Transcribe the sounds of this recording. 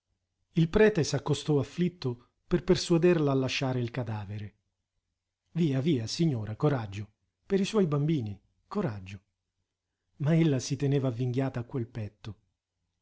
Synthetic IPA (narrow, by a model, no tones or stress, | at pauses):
ilpɾɛːt̪esakːost̪ɔafːlit̪ːo | perpersuad̪erlaːlːaʃːaːɾeilkad̪aːveɾe | viːaviːasiɲːoːɾakoɾad͡ʒːo | peɾiswɔjbambiːni | koɾad͡ʒːo | maelːasit̪eneːvavːiŋɡjaːt̪aːkːwelpɛt̪ːo